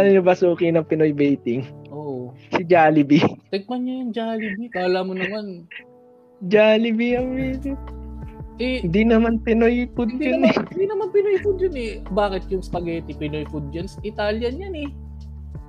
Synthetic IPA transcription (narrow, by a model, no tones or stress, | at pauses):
anɐɲobɐsuːkɪnɐŋpɪnojbɛjt̪ɪŋʔoːʔosɪd͡ʒaːlɪbit̪ɛɡ̚pɐɲɲɐjʊŋd͡ʒaːlɪbikaːlamonɐman | d͡ʒaːlɪbijɐŋɾiːd̪ɪ | ʔɛnd̪inɐmanpɪnojpʊd̪̚jʊnd̪inɐmɐnpɪnojfʊd̪̚jɐnɛbaːkɪt̪̚jʊŋspɐɡɛːt̪ɪpɪnojfʊd̪̚d͡ʒɐnsɐʔɪt̪aːljɐnjanɛ